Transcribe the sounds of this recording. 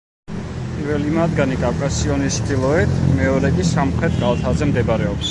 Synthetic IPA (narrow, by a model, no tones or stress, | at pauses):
ppʼiɾvɛlimad̪ɡanikʼafkʼasiɔnist͡ʃʰt̪ilˠɔɛt̪ʰmɛɔɾɛkʼisamχɾɛt̪̚ʰʼɡalˠt̪ʰazɛmd̪ɛbɾɛɔps